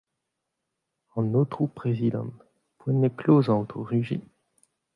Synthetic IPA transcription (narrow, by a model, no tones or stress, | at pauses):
ɑ̃not̪χupχezid̪ɑ̰̃ | pwɛ̃neklozɑ̃ot̪χəʁyʒḭ